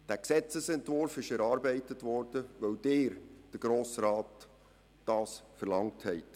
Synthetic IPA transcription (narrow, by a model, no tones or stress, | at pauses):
d̥æːksɛt͡səsɛntvʊɾfɪʃɛɾɑːɾbɛɪtətʋɔɾd̥əʋœwd̥ɪːɾd̥əɡ̥ɾoːsɾɑːtː | ɑːsfəɾlɑŋthɛɪt